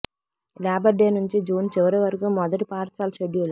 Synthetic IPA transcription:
laːbɐɖeːnuɲt͡ʃid͡ʒuːnt͡ʃiʋɐɾiʋɐɾɐkuːmɔd̪ɐʈipaːɾsaːlʃeɖijul

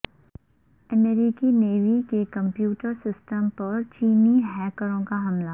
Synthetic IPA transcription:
ɛmeɾiːkineːʋikekɐ̃mpjuːʈəɾsɪsʈəmpɐɾt͡ʃiːniɦɛːkəɾõkaɦɐmlaː

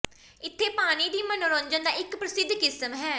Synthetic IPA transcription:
ɪt̪ʰːeːpaːɽ̃iːd̪iːmənoɾõːɲd͡ʒənd̪aːɪkpɾəsɪd̪ʱːkɪsəmɦɛː

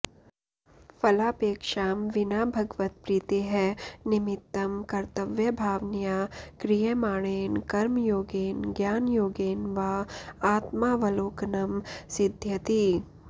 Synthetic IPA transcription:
fʰɐlaːpeːkʃaːmʋɪnaːbʱɐɡʋɐt̪̚pɾiːt̪eɦɛnɪmɪt̪ːɐmkɐɾt̪ɐʋjɐbʱaːʋnijaːkɾijemaːɽ̃eːnkɐɾmjoːɡeːnɡjaːnjoːɡeːnʋaaːt̪maːʋɐloːknɐmsɪd̪ʱjɐt̪iː

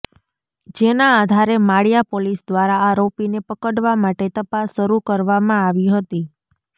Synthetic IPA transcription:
d͡ʒenaːd̪ʱaɾemaɭijapolisd̪ʋaɾaaɾopinepəkəɽʋamaʈet̪əpasːəɾukəɾʋamãaʋiɦət̪i

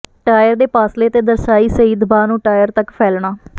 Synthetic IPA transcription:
ʈaːjəɾd̪eːpaːsleːt̪eːd̪əɾsaːiːsəiːd̪baːnũːʈaːjəɾt̪əkpʰɛːlɳaː

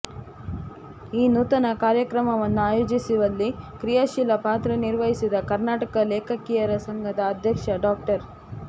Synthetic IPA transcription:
iːnuːt̪ɐnɐkaːɾjɐkɾɐmɐʋɐnːuaːjoːd͡ʒisiʋɐlːikɾijaʃilɐpaːt̪ɾɐniɾʋɐɦisid̪ɐkɐɾnaːʈɐkɐleːkʰɐkijɐɾɐsɐŋɡʱɐd̪ɐːd̪ʱjɐkʂɐɖaːk̚ʈɐɾ

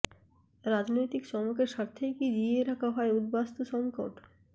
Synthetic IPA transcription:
ɾad͡ʑnojt̪ikʃɔmokeɾʃaɾt̪ʰːejkid͡ʑieɾakʰaɦɔeud̪bast̪oʃɔŋkoʈ

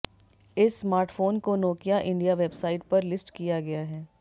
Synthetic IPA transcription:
ɪsːmaːɾʈfoːnkonɔːkijaʔɪ̃ɳɖijaʋeːbsaːɪʈ̚pɐɾlɪsʈkijaɡɐjaɦɛː

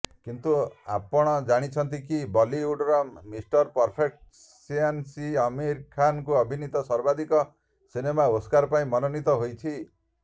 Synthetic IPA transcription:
kint̪ua̰pɔɽ̃ɔd͡ʒaɽ̃it͡ʃʰɔnt̪̬ikibɔliuɽɾɔmmisʈɔɾpɔɾpʰek̚ʈ | siansiɔmiɾkʰankuɔbʱinit̪ɔsɔɾbad̪ikɔ | sinemaoskaɾɔpaĩmɔnɔnit̪ɔɦojt͡ʃʰi

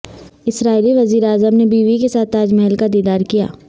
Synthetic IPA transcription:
ɪsɾaːiliʋɐziːɾeaːzəmnebiːʋikesaːt̪aːd͡ʒmɛɦlkad̪iːd̪aːɾkija̰ː

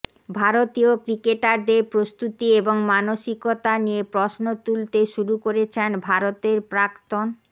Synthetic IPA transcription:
bʱaɾot̪iokɾikeʈaɾd̪epɾost̪ut̪ieboŋmanoʃikot̪aniepɾɔsnot̪ult̪eʃuɾukoɾet͡ɕʰenbʱaɾot̪eɾpɾakt̪on

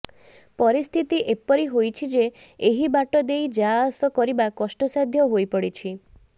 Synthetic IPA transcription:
pɔɾist̪ʰit̪iʔepɔɾiɦojt͡ʃʰid͡ʒe | eɦibaʈɔd̪ejd͡ʒasɔkɔɾibakɔsʈɔsad̪ʱjɔɦojpɔɽit͡ʃʰi

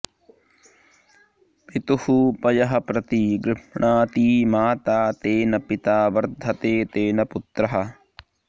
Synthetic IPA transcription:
pit̪uhupɐjɐɦɐ̆pɾɐt̪iɡɾɪʂɳaːt̪iːmaːt̪aːt̪eːnɐpit̪aːʋɐɾd̪ʱɐt̪eːt̪eːnɐput̪ɾɐɦɐ̆

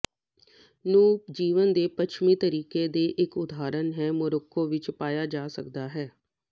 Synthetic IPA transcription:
nũːd͡ʒiːʋənd̪eːpəʃʰmĩːt̪əɾiːkeːd̪eːʔɪkʊd̪aːɾənɦɛːmʊɾʊkʰːõːʋɪt͡ʃpaːjaːd͡ʒaːsəkd̪aːɦɛː

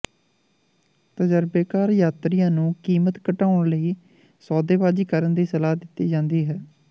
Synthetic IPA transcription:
t̪əd͡ʒəɾbeːkaːɾjaːt̪ɾɪjãːnũːkiːmət̪kəʈaːʊɳləiː | sɔːd̪eːbaːd͡ʒiːkəɾənd̪iːsəlaːd̪ɪt̪ːiːd͡ʒãːnd̪iːɦɛː

